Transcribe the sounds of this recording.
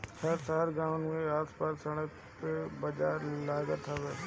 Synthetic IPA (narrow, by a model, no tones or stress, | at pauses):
sʰɐɾsaːɾɡaːʊnmẽaːspaːsəɽ̃ək | pebəd͡ʒaːɾlaːɡət̪ʰaʋeː